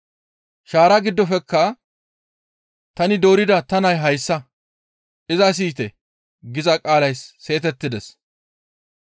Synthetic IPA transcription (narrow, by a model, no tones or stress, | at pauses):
ʃaːɾaɡɪd̪ːɔfɛkːɐ | t̪ɐnɪd̪o̞ːɾɪd̪ɐt̪ɐnɐjɦɐjsːɐ | ʔɪzɐs̬iːt̪ɛ | ɡɪzɐkʼaːlɐjsːe̞ːt̪ɛt̪ːɪd̪ɛs